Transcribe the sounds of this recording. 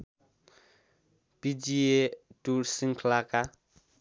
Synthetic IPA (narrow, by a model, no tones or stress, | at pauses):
pid͡ʒietusiŋkʰlakʼa